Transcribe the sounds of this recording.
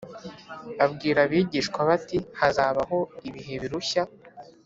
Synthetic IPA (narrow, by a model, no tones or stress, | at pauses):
βabɡiːɾaβiːɟiːʃkwaβatihazaːβaɦo̞iβiɦe̞βiɾuça